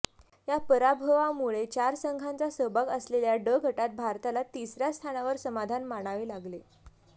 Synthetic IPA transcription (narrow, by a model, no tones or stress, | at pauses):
japəɾabʱəʋamuɭet͡ɕaɾsəŋɡʱant͡sasəbakəsleljaɖəɡʱəʈat̪̚bʱaɾt̪alat̪isɾjast̪ʰanaʋəɾsəmad̪ʱanmaɽ̃aʋeːlaɡle